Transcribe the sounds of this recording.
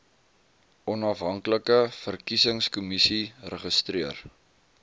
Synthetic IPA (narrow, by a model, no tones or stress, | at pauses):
ʔɔnɐfɦɐŋkləkəfərkisəŋskumisirəχəstriər